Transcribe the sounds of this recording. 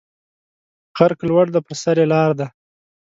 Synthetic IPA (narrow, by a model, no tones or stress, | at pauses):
qaɾklwaɽd̪əpəɾsaɾelɑɾd̪a